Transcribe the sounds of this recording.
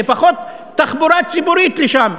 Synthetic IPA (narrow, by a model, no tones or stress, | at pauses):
efaχo̞t̪ː | aχbuɾat͡sibuɾit̪leʃam